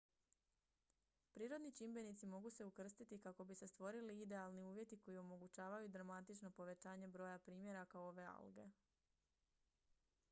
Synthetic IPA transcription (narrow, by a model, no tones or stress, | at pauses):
pɾiːɾo̞d̪nit͡ʃimbe̞nit̪simo̞ɡuse̞ukr̩st̪it̪ikako̞bise̞st̪ʋo̞ɾiliid̪e̞alˠniuːʋje̞t̪iko̞jio̞mo̞ɡut͡ɕaːʋajud̪ɾamat̪it͡ʃno̞po̞ʋe̞t͡ɕaːɲe̞bɾo̞ːjapɾiːmʲje̞ɾakaooʋe̞a̰lɡe̞̰